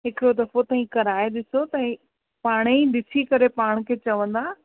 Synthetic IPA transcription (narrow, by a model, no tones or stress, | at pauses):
ɦɪkɪɾod̪ɐfot̪ɐĩkɐɾaːeɗɪsot̪ɐĩ | paːɽ̃eɗɪsʰikɐɾepaːɽ̃kʰeːt͡ɕɐʋə̃nd̪aː